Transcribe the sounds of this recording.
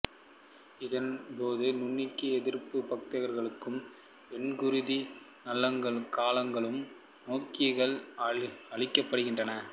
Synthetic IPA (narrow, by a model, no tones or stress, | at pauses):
ɪðɐnpoːðɯnʊɳːɪkːɯɛðɪɾpːɯpɐk̚t̪ɐʋɐɾɣɐɭɯkːɯm | pɛnɡʊɾʊði | nɐlːɐŋɡɐɭkaːlɐŋɡɐɭɯm | noːkɪɐɣɐɭ | ɐɻɪkːɐpːɐɽɯɣɪndrɐnɐ